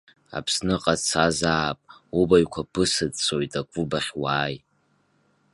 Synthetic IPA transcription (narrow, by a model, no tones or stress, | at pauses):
a̰pʰsnɨqʼat͡sʰazaːpʼubajkʷʰapʰɨsɨdt͡sʰʼojtʼakʷʼʊbaχʲwaːj